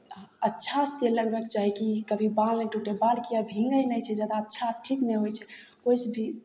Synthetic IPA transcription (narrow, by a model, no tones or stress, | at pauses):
ətːʃʰast̪eləɡbekt͡ʃaɦikikəbʱibalneʈuʈebalkijabʱĩŋɡəjnəjt͡ʃʰɛd͡ʒad̪aətːʃʰaʈʰikneɦojt͡ʃʰɛ̥ | ojsbʱi